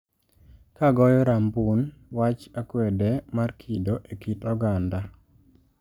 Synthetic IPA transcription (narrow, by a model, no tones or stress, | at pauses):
kaɡɔjɔɾambunwat͡ʃakwɛdɛmarkʰidoʔekitɔɡanda